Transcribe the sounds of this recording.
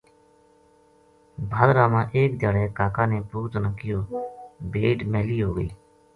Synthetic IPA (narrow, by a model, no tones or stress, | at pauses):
bʱad̪ɾaːmãːʔeːkd̪jaːɽɛːkaːkãːneːpuːɾt̪nãːkɪjoːbeːʈmɛːliːɦoːɡəḭː